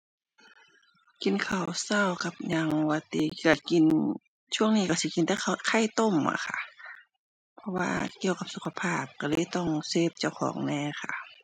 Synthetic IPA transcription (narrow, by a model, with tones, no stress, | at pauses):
ki˧˨nkʰa˨˩wsa˧˩˨wka˧p̚ɲaː˧ŋ˧wa˧t̪ḭː˧˩ki˧˩ə˨˩ki˨n | t͡ɕʰu˥˩əŋniː˧ka˧˩si˧˦ki˨nt̪ɛː˧˥a˧kʰa˧˥˨jt̪o˧˥˨mːa̰˧kʰa̰˧˩ | pʰɔ˧wa̰ː˧ki˧˨əwka˧p̚su˧˥kʰa˧pʰaː˧˩p̚ka˧˩lɤː˧˥˨jt̪ɔ˧˩˨ŋseː˧˩p̚t͡ɕa˧˩˨wxʰɔ̰ː˨˦ŋnɛː˧˥˨kʰa̰˧˩